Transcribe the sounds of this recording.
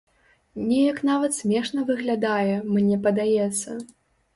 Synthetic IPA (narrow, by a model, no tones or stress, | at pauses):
nʲɛjɐknavɐt̪sʲmʲɛʂnɐvɨɣlʲad̪ajɛmnʲɛpɐd̪ajɛt̪sːɐ